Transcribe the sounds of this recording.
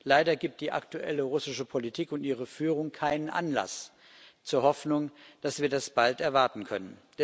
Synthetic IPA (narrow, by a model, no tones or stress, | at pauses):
laɪdɐɡiːp̚t̚d̥iːʔa̰ktuʔɛ̰ləʁʊsɪʃəpʰolitʰiːkʊntʔiːʁ̞əfyːʁ̞ʊŋkʰaɪnənʔa̰nla̰s | t͡suːɐhɔfnʊŋd̥asv̥iːɐdasb̥altɛɐvaɐtn̩kʰœnənd̥ɛ